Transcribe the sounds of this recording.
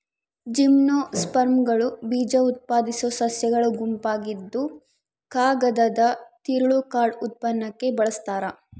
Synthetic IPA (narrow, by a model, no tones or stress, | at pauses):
d͡ʒimnoːspɐɾmɡɐɭubiːd͡ʒɐut̪̚paːd̪isosɐsjɐɡɐɭuɡumpaːɡid̪ːu | kaːɡɐd̪ɐd̪ɐt̪iɾuɭukaːɾɖut̪̚pɐnːɐkːe̞bɐɭɐst̪aːɾɐ